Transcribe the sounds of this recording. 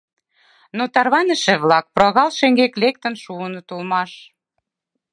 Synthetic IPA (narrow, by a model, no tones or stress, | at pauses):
not̪ɑrβɑnə̆ʃĕβlɑk̚proɑɣɑlʃeŋɡeklek̚t̪ə̆nʃuənŏt̪ulmɑʃ